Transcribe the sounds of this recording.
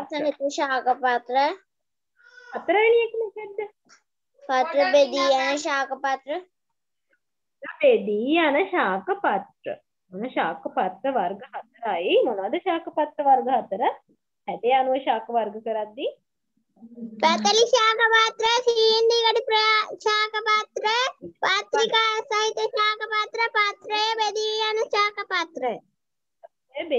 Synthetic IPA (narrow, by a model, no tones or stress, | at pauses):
sɐŋit̪uʃaːkɐpɐt̪ɾɐ | pɐt̪ːɾaːjiliekmɐkɐd̪ɐ | pɐt̪ɾɐbed̪ianɐʃaːkɐpɐt̪ɾɐ | ɐbed̪iːanɐʃaːkɐpɐt̪ɾə̰ | monɐʃaːkɐpɐt̪ɾɐʋɐɾɡɐɦɐt̪ɾaːjimonad̪ɐʃaːkɐpɐt̪ɾɐʋɐɾɡɐɦɐt̪ɾɐ | hɐd̪ejanuʋɐʃaːkʰɐʋɐɾɡɐkɐɾɐd̪ːi | pɐt̪ɐliʃaːkɐpaːt̪ɾɐsijnd̪ikɐʈipɾɐʃaːkɐpaːt̪ɾɐpaːt̪ɾikaːsɐɦit̪ːɐʃaːkɐpaːt̪ɾɐpaːt̪ɾɐjbed̪iɐnɐʃaːkɐpaːt̪ɾɐ | ɐ | ɐbe